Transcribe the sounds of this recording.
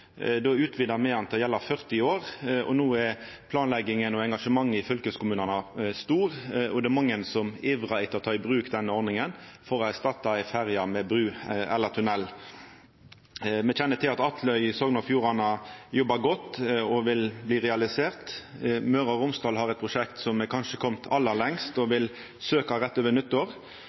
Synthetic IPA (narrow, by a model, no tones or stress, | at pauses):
d̪ɔʉːt̪ʰʋiːd̪ɑmɛɑnt̪ʰjɛlːɑfœʁt̪ɪoːʁʔɔ̰nuːɛɾ | pʰlɑːnlɛɡːɪŋənɔɛŋɡɑʂəmɑŋːəɪfœlkəskʊmʉːnɑnɑst̪uːʁɔd̪ɛɛmɑŋːənsɔmiːʋʁɑɪt̪ʰːɔt̪ʰɑːɪbʁʉːkd̪ɛnːəɔɾnɪŋənfɔɾɔæst̪ɑt̪ːɑɪfæʁjɑmɛbɾʉːɛ̰lːəʁt̪ʰʉnɛlː | mɛçɛnːət̪ɪlɑt̪ɑt̪ʰlœʏsoːɡnɑfjuːʁɑnɑjɔbːɑɡɔt̪ːɔʋɪlbliːʁɛɑlɪseːʁt̪møɾɑɾʊmst̪ɑːlɦɑɾɛt̪̚pʰʁʊʂɛkt̪sɔmːɛkʰɑnʂəkʰɔmt̪ʰɑlːəlɛŋst̪ɔʋɪl | søːkɑʁɛt̪ːøːʋənʏt̪ːəʁ